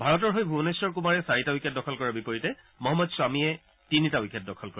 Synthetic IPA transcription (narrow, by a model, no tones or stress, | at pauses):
bʱaɹɔt̬ɔɹɦojbʱunesɔɹk̬umaɹɛsaɹitawikʰɛt̚dɔkʰɔlkɔɹabipɔɹitɛ | mɔɦɔmːɔdswamiɛ | tinitawikʰɛt̚dɔkʰɔlkɔɹa